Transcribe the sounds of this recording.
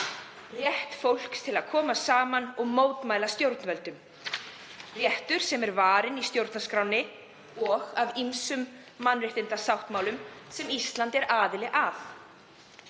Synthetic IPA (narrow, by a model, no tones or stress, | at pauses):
rjɛht̪fowl̥kst̪ʰɪlaðkʰɔːmasaːmanɔɣmoːwt̪maːjlast̪jowɾt̪nvɛlt̪ʏm | rjɛht̪ʏɾ̥sɛmɛɾvaːɾɪnist̪jowɾt̪naskɾawnɪ | ɔɣavimsʏmː | anrɪht̪ɪnt̪asawht̪mawlʏmsɛmist̪lant̪ɛɾaːðɪlɪʔaf